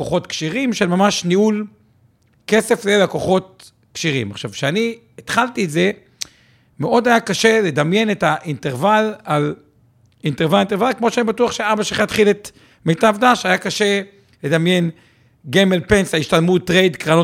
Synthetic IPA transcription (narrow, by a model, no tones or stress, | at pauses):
koχo̞t̪kʃiʁimʃelmamaʃniul | ke̞se̞flelako̞χo̞t̪̚ | kʃiʁḭma̰χʃavʃeani | et̪χalt̪iːtze̞ | meʔo̞d̪ajakaʃe̞le̞d̪amje̞netaʔinteʁvalal | inteʁvalint̪evalkmo̞ʃeanibatuaχʃeaʁbaʃeχat̪χilet̪ | mejt̪avd̪aʃajakaʃe̞ | le̞d̪amje̞n | ɡemelpe̞nsaiʃtalmutʁejd̪kʁano